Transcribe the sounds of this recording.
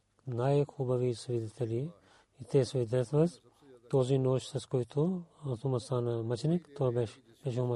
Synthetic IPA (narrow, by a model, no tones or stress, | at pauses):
naːjxubɐʋisʋid̪it̪eli | it̪esʋid̪ɐt̪ʰʋɐz | t̪oːzinoːʃsɐskojt̪ʰuɐt̪umɐsaːnɐmɐt͡ʃnikt̪obɛʃ | bɛʃhumɐ